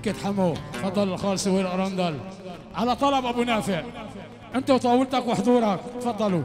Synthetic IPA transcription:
kːɪt̪ħamːat̪fɑd̪ˤːɑlɪlxɑːlsaweːɾʔɾˤɑnd̪al | ʕalat̪ˤɑlɑbʔabunaːfɪʕ | ʔɪnt̪awt̪ˤɑːwɪlt̪akwɪħd̪ˤuːɾˤɑkt̪fɑd̪ˤːɑlu

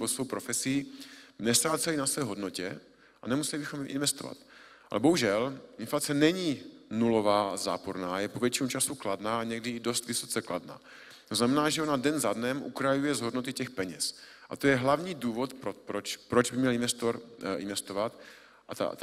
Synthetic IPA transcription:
bosowpɾofɛsiːnɛst̪ɾaːt͡sɛlinasvɛːɦo̞dnocɛ̰ | ʔa̰nɛmusɛlɪbɪxo̞mʔɪ̰nvɛst̪ova̰t̪ | ʔa̰lɛ̰bo̞ɦuʒɛlʔɪnflat͡sɛnɛɲiːnulo̞vaːza̰ːpo̞ɾnaːjɛpovjɛt͡ʃinut͡ʃasukladnaːaɲɛɡdɪdo̞st̪vɪso̞t͡sɛkla̰dna̰ː | t̪oznamɛnaːʒɛonadɛnzadnɛmʔṵkɾajujɛzɦo̞dno̞t̪ɪcɛxpɛɲɛs | ʔa̰t̪ojɛɦlavɲiːduːvo̞t̪pɾopɾot͡ʃpɾod͡ʒbɪmɲɛlɪnvɛst̪oɾʔɪ̰nvɛst̪ovat̪ | ʔat̪a̰t̪

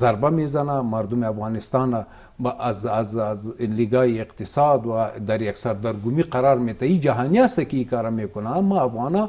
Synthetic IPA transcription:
zɐɾbamezɐnamɐɾd̪umeafɣɑːnist̪ɑːnɐ | baʔzazzliɡaːjieqt̪ɪsɑːd̪wad̪ɐɾjaksɐɾd̪ɐɾɡumiqɐɾɑːɾmet̪ɐid͡ʒɐɦaːnijasɐkiikɑːɾɐmekʊnamɐːfɣɑːnaː

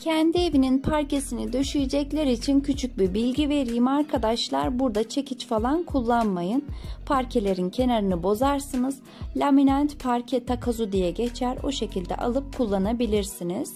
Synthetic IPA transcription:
cʰɛnd̪ie̞vininpʰaɾce̞sinid̪øʃyjed͡ʒɛclʲɛɾit͡ʃʰincʰyt͡ʃʰyc̚bibilʲɟive̞ɾijimaɾkʰad̪aʃlˠa̰ɾbuɾd̪at͡ʃʰe̞cʰit͡ʃfalˠankʰulˠːanmajɯnpʰaɾcʰe̞lʲe̞ɾincʰe̞naɾɯnɯbo̞zaɾsɯnɯz̥ | lʲaminant̪pʰaɾcʰɛt̪ʰakʰazud̪ijɛɟet͡ʃʰæɾo̞̰ʃe̞cʰilʲd̪ɛ̰ʔa̰lˠɯp̚kʰulˠːanabilʲiɾsiniz̥

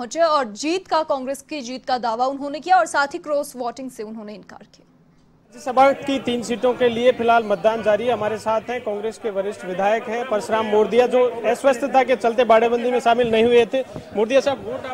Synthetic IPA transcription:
ɦʊ̃t͡ʃeɔːɾd͡ʒiːt̪kakɔ̃ːŋɡɾeːskid͡ʒiːt̪kad̪aːʋaʊnɦõːnekijaɔːɾsaːt̪ʰikɾoːsʋɔːʈɪ̃ŋɡseʊnɦõːneɪnka̰ːɾkijaː | d͡ʒɪsɐbaːt̪kit̪iːnsiːʈõkeliepʰɪlɦaːlmɐt̪̚d̪aːnd͡ʒaːɾiɦɛɦɐmaːɾesaːt̪ʰɦɛ̃kaɔ̃ːŋɡɾeːskeʋɐɾɪʃʈʋɪd̪ʱaːjəkɦɛ̃pɐɾʃɾaːmːoːɾd̪ijad͡ʒoːɛːsʋəst̪ʰət̪ʰak̬et͡ʃɐlt̪̬ebaːɽebə̃nd̪ʱimẽʃaːmɪlnɐɦĩɦʊet̪ʰemoːɾd̪ijasaːboːʈː

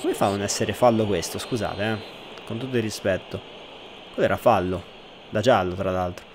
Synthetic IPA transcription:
komefaːunɛsːeɾefalːokwest̪oskuza̰ːt̪eɛ | kont̪ut̪ːoirːispɛt̪ːo | kalɛːɾafalːo | d̪ad͡ʒalːot̪ɾalːalt̪ɾo

